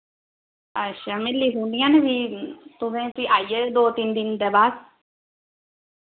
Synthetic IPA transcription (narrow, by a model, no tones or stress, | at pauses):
əʃaːmelːiːɦũːnd̪ijãːnebʱit̪ʊsẽːt̪iʔaːijeːd̪oːt̪ind̪ɪnd̪eːbaːd̪